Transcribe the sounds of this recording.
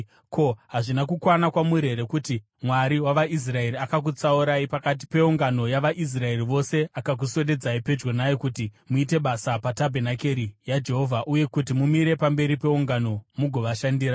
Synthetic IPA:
kʰo̞ɦaʐinakukwanakwamuɾe̞ɾe̞kuti | mwaɾiwaʋaʔis̬rae̞ɾiakak̬ut͡sauɾaipakat̬i̥pe̞uŋɡano̞jaʋaʔis̬rae̞riʋo̞se̞akak̬useɗe̞d͡zaipe̞d͡ʒwonajokutimuite̞ɓasapatabʱenake̞ɾijad͡ʒe̞ɦo̞vʱaʔuje̞kutimumiɾe̞pambe̞ɾipe̞uŋɡano̞muɡʱo̞ʋaʃandiːɾa

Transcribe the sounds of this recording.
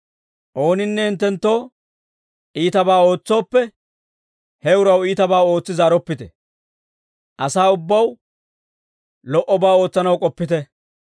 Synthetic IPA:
ʔo̞ːnɪnːɛɪnt̪ːɛnt̪ːo̞ː | ʔiːt̪ɐbaːo̞ːt͡sːo̞ːpːɛ | hɛʊɾɐwiːt̪ɐbaːo̞ːt͡sːɪzaːɾɔpːɪt̪ɛ | ʔɐsaːʊbːɐw | lɔʔɔbaːo̞ːt͡sːɐnɐwkʼɔpːɪt̪ɛ

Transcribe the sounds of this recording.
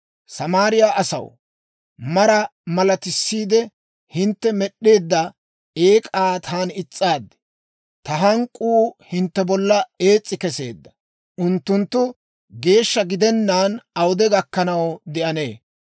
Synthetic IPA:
sɐmaːɾɪjaːʔɐsɐ̰w | mɐɾɐmɐlɐt̪ɪsːiːd̪ɛ | hɪnt̪ːɛmɛɗːe̞ːd̪ːɐ | e̞ːkʼaːt̪ʰaːnɪt͡sʼːaːd̪ːɛ̥ | t̪ɐɦɐŋkʼuːhɪnt̪ːɛbɔlːɐe̞ːt͡sʼːɪkɛse̞̰ːd̪ːɐ | ʔʊnt̪ːʊnt̪ːʊ | ɡe̞ːʃːɐɡɪd̪ɛnːaːnɐwʊd̪ɛɡɐkːɐnɐwd̪ɪʔɐne̞ː

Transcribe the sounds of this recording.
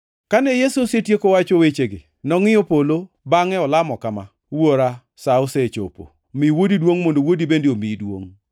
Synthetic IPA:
kanɛjesosetjekowat͡ʃowet͡ʃeɡɪ̰ | nɔŋɪopolo | baŋɛɔlamɔkama̰ | woɾa | saoset͡ʃo̰po̰ | miwodidwoŋmondowodibendiomidwo̰ŋ

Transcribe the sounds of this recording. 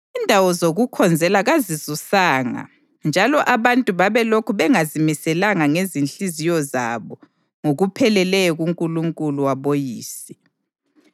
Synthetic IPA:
indʱawɔzoɣukʰɔnd͡zʱɛlaɣazizusaːŋa̰ | nd͡ʒʱalɔʔaβantʼuβaβɛlokʰuβɛŋazimisɛlaŋaŋezinɬizijɔza̰βɔ | ŋoɣupʰɛlɛlɛɣuŋkʼuluŋkʼuluwaβojḭːsi̥

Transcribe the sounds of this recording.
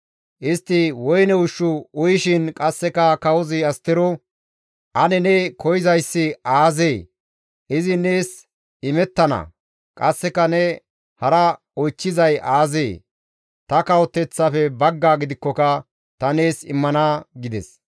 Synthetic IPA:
ʔɪst̪ːɪwɔjnɛʊʃːʊʊjɪʃɪnkʼɐsːɛkɐkɐwɔzɪɐst̪ɪɾɔ | ʔɐnɛnɛkʰɔjɪzɐjsːɪaːzeː | ʔɪzɪne̞ːs | ɪmɛt̪ːɐnɐ̰ | kʼɐsːɛkɐnɛ | hɐɾɐ | ɔjt͡ʃːɪzɐjaːzeː | t̪ɐkɐwɔt̪ːɛt͡sːɐfɛbɐɡːaːɡɪd̪ɪkːɔkɐ | t̪ɐne̞ːsɪ̰mːɐnaːɡɪd̪ɛ̰s

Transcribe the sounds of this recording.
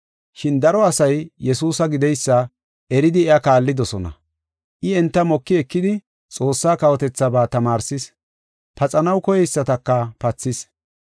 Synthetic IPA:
ʃɪnd̪ɐɾɔɐsɐjjɛsuːsɐɡɪd̪ɛjsːɐ | ɛɾɪd̪ɪɛɐkaːlːɪd̪ɔsɔnɐ̰ | ʔɪɛnt̪ːɐmɔkːɪɛkːɪd̪ɪ | t͡sʼo̞ːsːaːkɐwɔt̪ɛt͡sːɐbaːt̪ɐmaːɾsɪs | pɐt͡sʼɐnɐwkɔjɛjsːɐt̪ɐkːɐpɐt͡sːɪs

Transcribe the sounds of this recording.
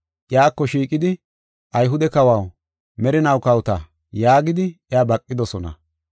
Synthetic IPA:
ʔɪjaːkːɔʃiːkʼɪd̪ɪ | ʔɐjɦʊd̪ɛkɐwɐw | mɛɾɪnɐwkɐwt̪ɐ | jaːɡɪd̪ɪʔɛaːbɐkʼːɪd̪ɔsɔnɐ̰

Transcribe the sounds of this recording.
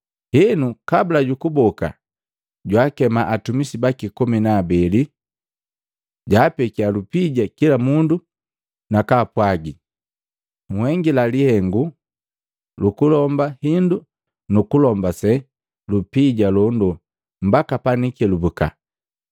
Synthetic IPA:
hɛnukabulaɟukubɔka̰ | ɟwaːkɛmaʔatumisibakikɔminaːbɛli | ɟaːpɛkialupiɟakilamundu | nakaːpwaɡi | ŋhɛŋɡilalihɛŋɡu | lukulɔmbahindu | nukulɔmbasɛ | lupiɟalɔndɔ | m̩bakapanikɛlubuka̰

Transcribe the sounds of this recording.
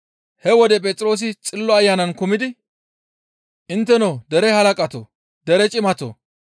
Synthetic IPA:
hɛwɔd̪ɛpʼɛt̪ʼɪɾo̞ːs̬ɪt͡sʼɪlːɔɐjːaːnɐnkʊmɪd̪ɪ | ʔɪnt̪ːɛnoːd̪ɛɾɛhɐlɐkʼɐt̪o̰ː | d̪ɛɾɛt͡ʃʼɪmɐt̪o̰

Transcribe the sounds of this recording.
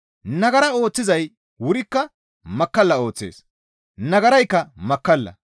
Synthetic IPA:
nɐɡɐɾɐo̞ːt͡sːɪzɐj | wʊɾɪkːɐ | mɐkːɐlːɐo̞ːt͡sːḛːs | nɐɡɐɾɐjkːɐmɐkːɐlːɐ̰

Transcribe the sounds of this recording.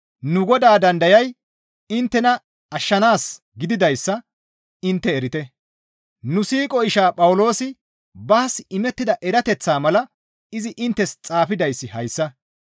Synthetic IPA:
nʊɡɔd̪aːd̪ɐnd̪ɐjɐj | ɪnt̪ːɛnɐ | ɐʃːɐnaːs | ɡɪd̪ɪd̪ɐjsːɐ | ɪnt̪ːɛːɾɪt̪ɛ | nʊsiːkʼɔɪʃaːpʼɐwʊlo̞ːsɪ | bɐːsɪmɛt̪ːɪd̪ɐʔɛɾɐt̪ɛt͡sːaːmɐlɐ | ɪzɪʔɪnt̪ːɛst͡sʼaːfɪd̪ɐjsːɪhɐjsːɐ

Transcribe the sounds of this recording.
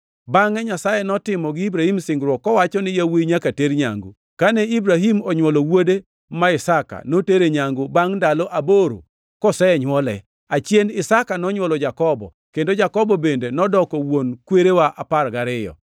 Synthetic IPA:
baŋɛɲasajenɔtɪmɔɡɪibɾahimsɪŋɡɾwɔkːɔwat͡ʃɔnɪjawiɲakateɾɲa̰ŋɡṵ | kanɛibɾaɦimɔɲwɔlowode | maɪsaka̰noteɾeɲaŋɡobaŋndalɔʔaboɾo̰ | kɔsɛɛɲwɔlɛ | at͡ʃjenɪsakanɔɲwɔlɔd͡ʒakɔbɔ̰ | kendod͡ʒakɔbɔbendenɔdɔkɔwonkweɾewaʔaparɡaɾɪjɔ̰

